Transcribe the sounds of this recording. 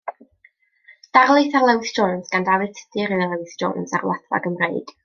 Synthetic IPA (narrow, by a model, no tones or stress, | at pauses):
d̥arlˠejθarlˠɛwɪθd͡ʒ̥oːnsɡ̥andavɨðtʰə̥dʰɨɾɪðlˠɛwɪθo̰ːnsarwa̰θva̰ɡəmreɨd̥